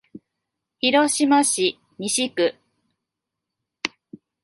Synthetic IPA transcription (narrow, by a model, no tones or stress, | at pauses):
çiɾo̞ɕimaɕi | mʲiɕikɯ̟